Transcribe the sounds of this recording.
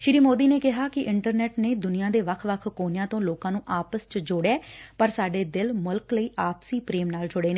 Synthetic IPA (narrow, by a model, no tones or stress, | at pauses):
ʃɪɾiːmoːd̪iːneːkɪɦaːkɪʔɪɳʈəɾnɛːʈneːd̪ʊnijãːd̪eːʋəkʰʋəkʰkoːnjãːt̪õːloːkãːnũːʔaːpəst͡ʃəd͡ʒoɽɛːpəɾsaːɖeːd̪ɪlmʊlkləiːʔaːpsiːpɾeːmnaːld͡ʒʊɽeːneː